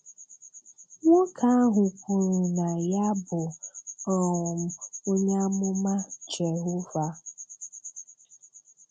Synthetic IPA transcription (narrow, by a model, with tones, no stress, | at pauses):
ŋʷɔ˦kʰa˦a˦ɦʊ˨kʷu˨ɾu˨na˨ja˦bʊ˨ɔ˦ʊ˨m̩˨o˦ɲa˦mʊ˦ma˦t͡ʃe˨ɦʊ˦va˦